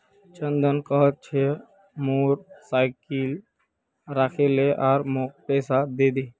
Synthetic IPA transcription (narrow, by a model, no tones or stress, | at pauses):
t͡ʃənd̪ənkəɦət̪̚t͡ʃʰe | moɾsaɪkil | ɾakʰeleʔaːɾmok̚pɛsad̪ed̪e